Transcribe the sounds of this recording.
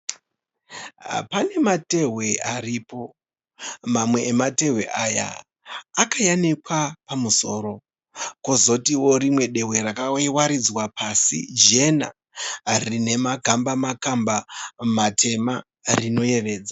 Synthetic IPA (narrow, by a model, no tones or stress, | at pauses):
pane̞mate̞ɦwe̞aɾipo̞ | mamwe̞ːmate̞ɦwe̞̰ʔaja̰ | akajanikwapamuso̞ːɾo̞ | kozo̞tiwo̞ɾimwe̞ɗe̞ɦwe̞ɾakawaɾid͡zwapʰasḭd͡ʒe̞na̰ | rine̞maɡʱambamakambamatʰe̞ma | rino̞je̞ʋe̞ːd͡za